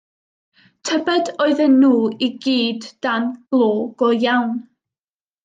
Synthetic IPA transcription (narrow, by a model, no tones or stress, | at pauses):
tʰəbədoɨðənːuːiɡiːdːanb̥lˠoːɡ̥ɔjawn